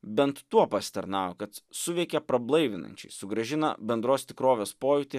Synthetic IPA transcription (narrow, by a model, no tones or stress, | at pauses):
bʲɛnt̪ːuɔpɐsʲɪ̥t̪ɐɾnɑːʋokɐt̪sʊʋʲɛɪkʲɛpɾɐblˠɐɪʋʲɪnɐ̰nʲt͡ʃʲɛ̰ɪsʊɡɾɐʒʲɪnɐ̰bʲɛnd̪ɾoːst̪ʲɪkɾoːʋʲeːspoːjʊt̪ʲeː